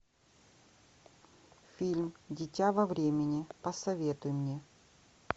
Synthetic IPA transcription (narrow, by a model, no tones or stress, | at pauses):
fʲilʲmdʲɪtʲavɐvɾʲemʲɪnʲɪpəsɐvʲet̪ʊjɪmnʲe̞